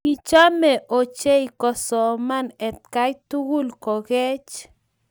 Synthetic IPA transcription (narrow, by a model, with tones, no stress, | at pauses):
ki˧t͡ʃa˦me˨ʔo˨t͡ʃe˦jko˨so˨ma˦ne˨t̪̚ka˦jt̪u˦ɡu˦lko˨ɡe˦t͡ʃ